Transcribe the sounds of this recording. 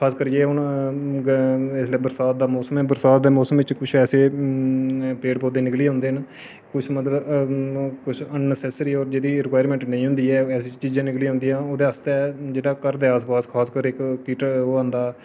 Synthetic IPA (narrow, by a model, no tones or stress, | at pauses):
kʰaːskəɾd͡ʒeːʊnɡɪsleːbəɾsaːt̪̚d̪aːmɔːsəmɛːbəɾsaːt̪̚d̪eːmɔːsəmʋɪt͡ʃkʊt͡ʃʰɛːseː | peːɖpoːd̪eːnɪkliːãʊnd̪eːn | kʊt͡ʃʰmət̪ləb | kʊt͡ʃʰənːəsɛːsɾiːɔːɾd͡ʒeːd̪iːɪɾkwaːɾmɛ̃ːɳʈnəĩːɦʊ̃nd̪iːɛːɛːsiːt͡ʃiːzãːnɪkliːãɦʊ̃nd̪iːãːoːd̪ẽaːst̪ɛɛːd͡ʒeːɽaːkəɾd̪eːəːs̬paːskʰaːskəɾɪkkiːʈəoːãːnd̪aː